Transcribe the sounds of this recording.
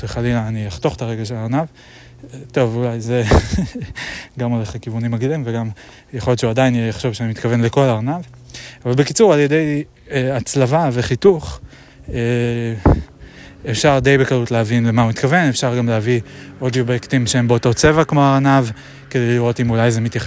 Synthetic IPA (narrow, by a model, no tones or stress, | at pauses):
t͡sʁiχaliaaniaχt̪o̞χt̪aʁe̞ɡaʃelaʁanav | t̪o̞vulajze | ɡamuleχkivunimaɡilimveɡam | jaχojo̞tt͡ʃeuadainjaχʃo̞vʃeanimit̪kave̞nle̞ko̞laʁanavavalbekit͡suʁaljede̞j | at͡slavave̞χituχ | e | efʃaʁd̪e̞jbekalutlehavinlemaumit̪kave̞nefʃaʁɡamleavio̞djobekt̪imʃeembeoto̞t͡se̞vakmoaʁanav | ke̞dejliʁo̞timulajzemit̪jaχe